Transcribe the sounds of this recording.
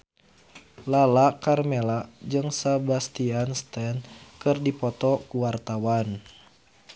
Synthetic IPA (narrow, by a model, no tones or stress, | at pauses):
lalakarmelad͡ʒɨŋsabast̪ianst̪ɛnkɨrdipɔt̪ɔkuwart̪awan